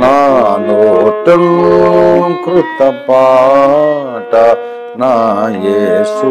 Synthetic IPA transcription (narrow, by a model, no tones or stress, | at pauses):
nanoʈɐm | kɾɪt̪ɐpaː | ʈa | najesu